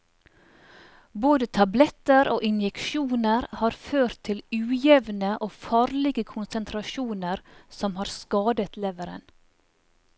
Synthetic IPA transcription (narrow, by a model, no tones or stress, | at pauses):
boːd̪ət̪ʰɑblɛt̪əɾoːʔɪnjɛkʃuːnəɾhɑːɾføːɾt̪ʰɪlʉːjɛʋnəʔoːfɑːɾlɪɡəkʰʊnsənt̪ʰɾɑʃuːnəɾsɔmhɑːɾskɑːd̪ət̪ʰleːʋəɾə̰n